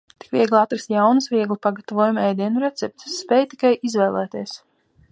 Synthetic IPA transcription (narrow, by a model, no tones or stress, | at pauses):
t̪i̥kvʲiɛɡlˠat̪ɾɨsjawnɨsvʲiɛɡlˠipaɡat̪avɔɔjumɛjd̪iɛnuɾɛt̪sɛp̚t̪sːpɛːjt̪i̥kajʔizvɛːlˠæːt̪iɛs